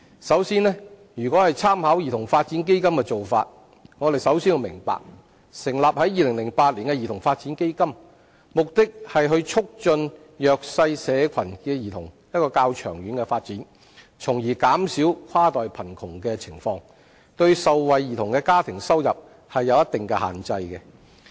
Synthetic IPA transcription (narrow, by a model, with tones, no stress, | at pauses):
sɐ˨˥wsiː˥nlɛː˥ | jyː˨kʷɔː˨˥hɐ˨jt͡sʰaː˥mhaː˨˥wji˨t̪ʰʊ˨˩ŋfaː˧t̚t͡si˨˥nk̬e˥jkɐ˥mkɛː˧t͡so˨wfa̰ː˧t̚ | ŋɔː˨˧ɾe˨jsɐ˨˥wsiː˥nwʊ˨˧mɪ̰˨˩ŋpa̰ː˨k̚ | sɪ˨˩ŋlaː˨p̚hɐ˨˥jiː˨lɪ˨˩ŋlɪ˨˩ŋpaː˧t̚liː˨˩nkɛ˧jiː˨t̪ʰʊ˨˩ŋfaː˧t̚t͡siː˨˥nke˥jkɐ˥m | mʊ˨k̚t̪ɪ˥k̚hɐ˨jɦɵ˧ɥt͡ʃʰʊ˥k̚t͡ʃɵ˧n | jœː˨k̚sɐ˧jsɛː˨˧kʰɐ˨˩nkɛː˧jiː˨˩t̪ʰʊ˨˩ŋjɐt̚kɔː˧kaː˧wt͡ʃʰœː˨˩ŋɥyː˨˧nkɛ˧faː˧t̚t͡siː˨˥n | t͡sʰʊ˨˩ŋjiː˨˩kaː˨˥msiː˨˥wkʰwaː˥t̪ɔː˨jpʰɐ˨˩nkʰʊ˨˩ŋkɛː˧t͡sʰɪ˨˩ŋfɔː˧ŋ | t̪ɵ˧ɥsɐ˨˧wwɐ˨jjiː˨˩t̪ʰʊ˨˩ŋkɛː˧kaː˥t̪ʰɪ˨˩ŋsɐ˥wjɐ˨p̚ | hɐ˨jːɐ˨˧wjɐ˥t̚t̪ɪ˨ŋkɛ˧ha̰ː˨nt͡sɐ˧jkɛ˧